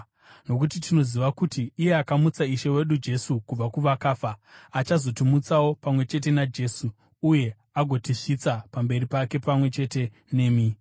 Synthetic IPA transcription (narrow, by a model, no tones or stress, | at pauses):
no̞k̬utitino̞ziʋakutiːje̞akamut͡saiʃe̞we̞ɗud͡ʒe̞sukub͡vakuʋakaːfaat͡ʃazo̞timut͡sawo̞pamwe̞t͡ʃe̞t̬e̞nad͡ʒe̞suː | je̞ | aɡʱo̞tiʂit͡sapambe̞ripake̞pamwe̞t͡ʃe̞te̞ | ne̞ːmi